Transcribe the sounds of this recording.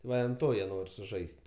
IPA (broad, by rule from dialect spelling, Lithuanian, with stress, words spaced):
ˈʋɐ ɪ ɐn ˈtoː jiɛ ˈnoːrʲ sʊˈʒɐɪsʲtʲ